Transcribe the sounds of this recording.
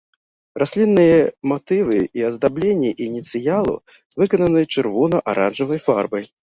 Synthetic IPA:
rʔasʲlʲinːɨjɐmat̪ɨvɨiɐzd̪ablʲenʲːiʔinʲit̪sɨjalˠṵ | vɨkɐnɐnɨjɛt͡ʂɨrvɔnɐʔaɾʔanʐɐvɐjfa̰rbɐj

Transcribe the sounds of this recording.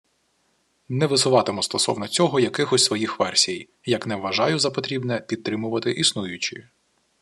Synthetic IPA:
nɛʋɪsʊʋɑt̪ɪmɔst̪ɔsɔ̰wnɔt͡sʲɔɦɔjɐkɪxɔsʲsʋɔjixʋɛrsʲij | jɐknɛʋːɐʒɑjʊzɐpɔt̪ɾʲibnɛpʲid̪̚t̪ɾɪmʊʋɐt̪ɪʔisnujʊt͡ʃɪ̰

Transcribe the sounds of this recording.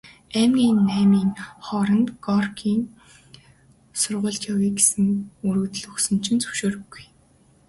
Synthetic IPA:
æmɡʲiːnːæːmiːŋχɔɾə̆nt̪ɡɔrɡʰiːŋ | sʊrʁʊ̆ːɮt͡ɕjawijɡesɘ̆ŋuɾɵ̆t̪ɵ̆ɮɵxsɵ̆nt͡ɕʰɪ̆nt͡sɵ̥wʃoːɾɵ̆ɡuj

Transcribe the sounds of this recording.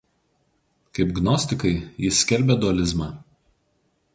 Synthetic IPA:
kɐɪpɡnɔsʲt̪ʲɪkɐɪjɪsːʲkʲɛlʲbʲɛd̪ʊɐlʲɪzmɑː

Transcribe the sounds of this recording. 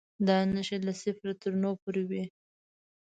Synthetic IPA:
d̪ɑnəʃelasɪfɾat̪əɾnopoɾewi

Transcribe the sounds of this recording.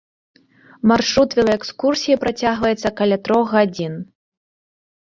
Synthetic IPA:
marʂɾut̪vʲɛlˠɐɛkskursʲijɐpɾat͡sʲaɣvɐjɛt̪sːɐkɐlʲat̪ɾɔɣɣad͡zʲin

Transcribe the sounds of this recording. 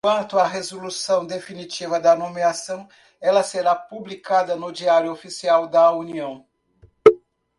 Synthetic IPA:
wɐ̃nt̪ʊɐɦezolusɐ̃w̃d̪efinit͡ʃivɐd̪ɐnomeasɐ̃w̃ | ɛlɐseɾapublikad̪ɐnʊd͡ʒiaɾjʊofisiawd̪ɐuniɐ̃w̃

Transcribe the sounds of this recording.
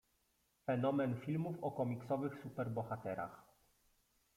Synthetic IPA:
fɛnɔmɛnfʲilmufɔkɔmʲiksɔvɘxsupɛɾbɔxat̪ɛɾa̰x

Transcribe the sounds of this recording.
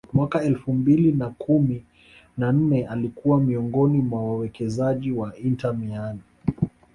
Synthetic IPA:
mwakaɛlfumbilinakʰumi | nan̩nɛalikuwamiɔŋɡɔnimwawawɛkɛzaʄiwaintamiani

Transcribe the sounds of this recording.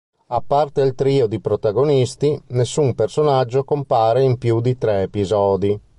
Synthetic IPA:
apːart̪elt̪ɾiːod̪ipɾot̪aɡonist̪inesːumpersonad͡ʒːokompaːɾeimpjud̪it̪ɾɛːpizɔːd̪i

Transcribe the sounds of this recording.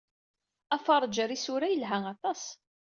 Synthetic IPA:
æfɑɾˤd͡ʒəɾisʊɾæjəlɦæŋɑt̪ˤɑs

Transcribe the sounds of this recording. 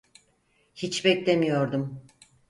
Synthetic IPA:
hit͡ʃbɛclʲemijo̞ɾd̪um

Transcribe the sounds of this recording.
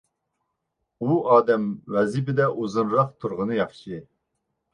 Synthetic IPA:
uɑːd̪ɛmwɛzibɪd̪ɛʔozɨnɾɑqt̪ʰuɾʁənɨjɑχʃɨ

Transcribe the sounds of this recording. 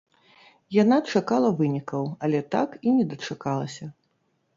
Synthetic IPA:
janat͡ʂakalˠɐvɨnʲikɐwɐlʲɛt̪a̰kinʲɛd̪ɐt͡ʂakalˠɐsʲɐ

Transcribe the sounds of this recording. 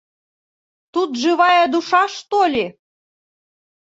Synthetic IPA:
t̪ut̪ʒɨβɑjɑd̪uʃɑʃt̪olʲe

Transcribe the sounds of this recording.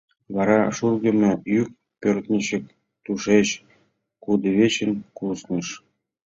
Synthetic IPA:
βɑɾɑʃurɣə̆mĕyk̚ | pørt̪nʲə̆ɕə̆k̚ | t̪uʃeɕ | kud̪ə̆βet͡ɕə̆nkusnɤ̆ʃ

